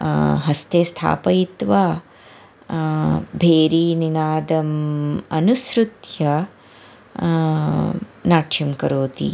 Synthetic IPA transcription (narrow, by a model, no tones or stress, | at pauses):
ɦɐst̪ʰeːst̪ʰa̰ːpɐjit̪ʋa | bʱeːɾiːninaːd̪ɐmɐnusɾut̪jɐ | naːʈʂimkɐɾoːt̪ḭ